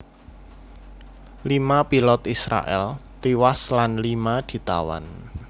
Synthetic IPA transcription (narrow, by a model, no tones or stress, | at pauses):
limapilɔt̪isɾa̰ʔɛ̰lt̪iwaslanlimad̪̥i̤t̪a̰wa̰n